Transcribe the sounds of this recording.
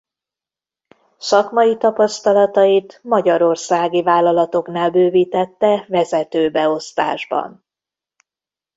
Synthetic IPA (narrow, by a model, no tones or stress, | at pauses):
sɒkmɒjit̪ɒpɒst̪ɒlɒt̪ɒit̪mɒɟɒɾo̞rsaːɡivaːlːɒlɒt̪o̞knaːlbøːviːt̪ɛt̪ːɛvɛzɛt̪øːbɛo̞st̪a̰ːʒbɒ̰n